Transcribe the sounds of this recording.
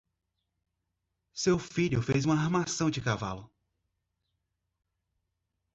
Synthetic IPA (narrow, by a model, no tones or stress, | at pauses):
sewfiʎʊfejzũmɐaɾmasɐ̃w̃d͡ʒɪkava̰lʊ